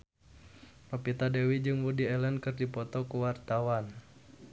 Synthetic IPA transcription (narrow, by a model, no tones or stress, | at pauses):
rɔpit̪adɛwid͡ʒɨŋwudiɛlənkɨrdipɔt̪ɔkuwart̪awan